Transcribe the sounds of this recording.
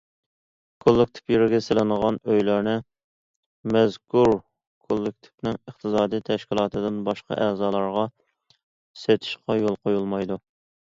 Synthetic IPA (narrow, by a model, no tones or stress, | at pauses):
kʰolˠːɪk̚ʲt̪ʰɪ̥pjeɾɪɡʲɛsɪlɪnəʁɑnøjlæɾnɪ | mɛzkʰuɾ | kʰolˠːɪk̚ʲt̪ʰɪ̥pnɪŋəχt̪ʰɨsɑːd̪ijt̪ʰɛʃkʲilˠɑːt̪ʰɨd̪ɪnbɑʃqɑ̰ʔæːzɑːlˠɑɾʁɑ | set̪ʰɪ̥ʃqɑjolˠqʰojulˠmɑjd̪u